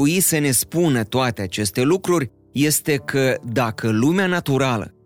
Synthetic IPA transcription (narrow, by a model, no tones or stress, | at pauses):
uisəne̞spunət̪oat̪e̞at͡ʃe̞st̪e̞lukɾurʲ | je̞st̪e̞kʰəd̪akʰəlumeanat̪uɾalə̰